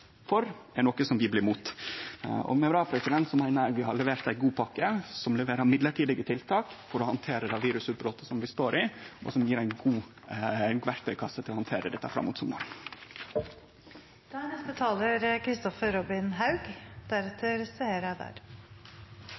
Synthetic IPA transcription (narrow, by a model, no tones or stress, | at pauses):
fɔɾɛɳnɔkːəsɔmʋɪblɪːmuːt̪ | ɔ̰mɛʋɾɑːpʰɾɛsɪd̪ɛnt̪sɔmæɪnəɾʋɪhɑɭɛʋeːɾt̪æɪɡuːpʰɑkːəsɔmlɛʋeːɾəɾmɪd̪ləʈiːd̪ɪɡət̪ʰɪlt̪ʰɑːkfɔɾɔhɑnt̪ʰeːɾəd̪ɛʋiːɾʉsʉt̪̚bɾoːt̪əsɔmʋɪst̪oːɾʔɪʔɔ̰sɔmjiːɾæɪɡuː | ɡʋæɾk̚t̪ʰœʏkʰɑsːət̪ʰɪlɔhɑnt̪ʰeːɾəd̪ɛt̪əəɾfɾɑ̰muːt̪sɔmɡo̰ːɾ | d̪̥ænɛst̪ət̪ʰɑːləɾkʰɾɪst̪ɔfəɾɾɔbɪnɦɑʉɡd̪̥æɾɛt̪ʰːəɾseeɾæd̪æ̰ɾ